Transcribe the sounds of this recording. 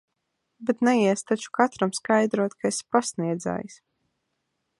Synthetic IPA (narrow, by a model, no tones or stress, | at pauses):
bɛt̪nɛjiɛst̪at͡ʃu̥kat̪ɾamskajd̪ɾuɔt̪kʰaespasniɛd̪za̰ːjs